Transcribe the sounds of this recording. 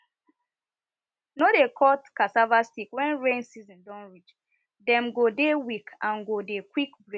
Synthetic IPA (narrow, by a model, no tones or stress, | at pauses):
nɔdekʰɔtkasavastikwɛ̃nɹẽnsizɔ̃ndɔ̃nɹit͡ʃ | dɛ̃mɡodewikʰãnɡodekwikbɹe